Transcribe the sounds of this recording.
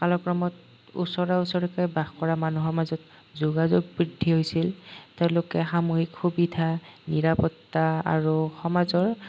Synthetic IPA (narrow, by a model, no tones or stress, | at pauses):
kalɔkɹɔmɔt | ṵsɔɹausɔɹɔkɔjbaxkɔɹamanuɦɔɹmazɔt̚ | zuɡazoɡ̚bɹidʱːiɦojsilteʊ̃lʊkɛxamuhikxubidʱaniɹapɔtːaa̰ɹuxɔmazɔɹ